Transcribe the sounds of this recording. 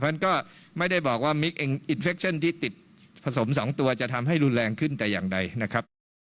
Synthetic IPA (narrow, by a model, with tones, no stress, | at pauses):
a˥nkɔː˥˩ | ma˥˩jda˥˩jbɔː˨˩k̚waː˥˩mi˦˥k̚ʔe˧ŋʔi˧nfe˦˥k̚t͡ɕʰa˥˩nt̪ʰiː˥˩t̪i˨˩t̪̚ | pʰa˧so˩˦msɔː˩˦ŋt̪u˧ɐt͡ɕa˨˩t̪ʰa˧mɦa˥˩jɾu˧nlɛː˧ŋkʰɯ˥˩nt̪ɛː˨˩jaː˨˩ŋda˧jna˦˥kʰɾa˦˥p̚